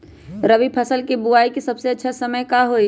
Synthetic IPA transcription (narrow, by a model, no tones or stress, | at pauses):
ɾəʋipʰəsəlkebuaːikesɐbseɐtːʃʰasəməjkaɦoi